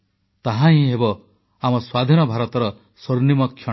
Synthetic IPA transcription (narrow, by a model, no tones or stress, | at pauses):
t̪aɦãɦĩɦebɔ | amɔswad̪ʱinɔbʱaɾɔt̪ɔɾɔ | soɾnimɔkʰjɔ